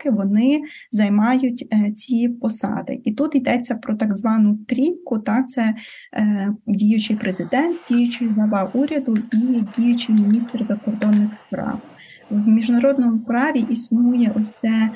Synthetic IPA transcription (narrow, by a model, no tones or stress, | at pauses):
kɪʋɔnɪ | zɐjmɑjʊtʲt͡sʲipɔsɑ̰d̪ɪ̰ʔit̪ut̪id̪ɛt͡sʲːɐpɾɔt̪ɑɡzʋɑnʊt̪ɾʲinʲkʊt̪ɑkt̪sɛ | dʲijʊt͡ʃɪjpɾezɪd̪ɛnt̪̚dʲijʊt͡ʃɪjɦlˠɐʋɑʔuɾʲɐd̪ʊidʲijʊt͡ʃɪjmʲinʲist̪rzɐkɔrd̪ɔnːɪxspɾɑ̰w | wmʲiʒnɐɾɔd̪nɔmʊpɾɑʋʲiʔisnujɛʔɔsʲt̪sɛ